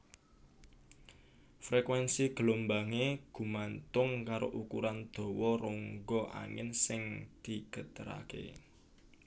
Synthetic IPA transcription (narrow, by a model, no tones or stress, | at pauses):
fɾekwɛnsiɡ̥əlombaŋeɡ̥ṳmant̪ʊŋkaɾoʔukuɾand̪̥o̤wɔroŋɡɔʔa̰ŋɪ̰nsɪŋd̪̥i̤ɡ̥ə̤d̪̥əɾa̰kḛ